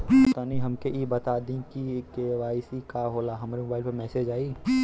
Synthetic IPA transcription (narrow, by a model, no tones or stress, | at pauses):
t̪aːniɦɐmkeʔibɐt̪aːd̪ĩkikeʋaːɪsikaɦoːlaɦɐmaːɾemobaːɪlpɐɾmɛːsed͡ʒaːiː